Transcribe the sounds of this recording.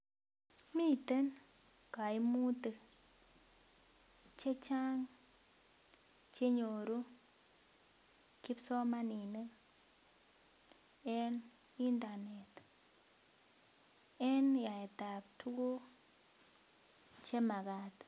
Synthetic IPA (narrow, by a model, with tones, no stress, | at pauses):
mi˦˨te˦n | ka˨i˦mu˦te˨ | t͡ʃe˦t͡ʃa˦ŋ | t͡ʃe˦ɲo˨ɾo˦ | ki˦psɔ˦ma˦ni˨ne˦ | ɛ˦n | i˦nda˨ne˨t | ɛ˦nja˨e˨ta˨p̚tʰu˦ko˦ | t͡ʃe˦ma˨ka˨t